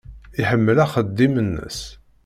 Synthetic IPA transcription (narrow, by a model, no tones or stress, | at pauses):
iħəmːəlæχəd̪ːimənːə̰s